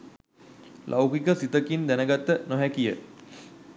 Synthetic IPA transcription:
lʔa̰wkikəsit̪əkind̪ænəɡat̪ːənɔɦækijə

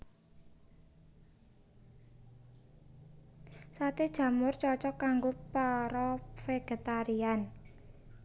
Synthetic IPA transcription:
sat̪ed̥ʒ̥ä̤mʊrt͡ʃɔt͡ʃɔkːaŋɡopaɾɔfeɡ̥e̤t̪aɾian

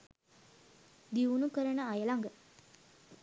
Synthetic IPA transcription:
d̪iunukəɾənəajəlaŋɡə

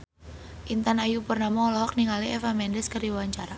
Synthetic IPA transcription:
ʔint̪anajupərnamɔlɔɦɔk̚niŋaliɛfamɛndɛskərdiawaɲt͡ʃaɾa

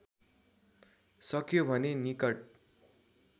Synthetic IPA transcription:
sʌkjobʱʌnenikʌʈ̚

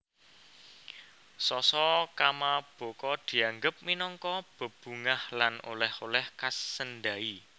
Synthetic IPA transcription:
sɔsɔkamab̥o̤kɔd̪̥i̤aŋɡəp̚minɔŋkɔb̥ə̤b̥ṳŋahlano̰lɛholɛhkasənd̪ai

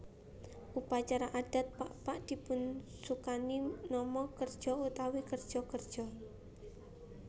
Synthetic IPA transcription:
ʔupat͡ʃaɾaʔad̥a̤t̪̚paʔpaʔd̪̥i̤pʊnsukaninɔmɔkərd̥ʒ̥ɔut̪awikərd̥ʒ̥ɔkərd̥ʒ̥ɔ

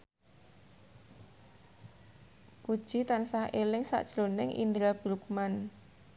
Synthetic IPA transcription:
pud̥ʒ̥i̤t̪ansahʔelɪŋsa̰ʔd̥ʒ̥lonɪŋʔḭnd̪ɾab̥ɾuk̚man

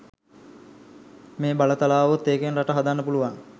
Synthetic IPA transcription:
meːbalət̪alaːʋot̪ːeːkenraʈəɦad̪anːəpuluʋaŋ

